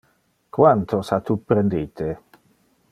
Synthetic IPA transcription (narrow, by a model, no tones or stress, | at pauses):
kwant̪ʰosat̪upɾend̪iːt̪ʰe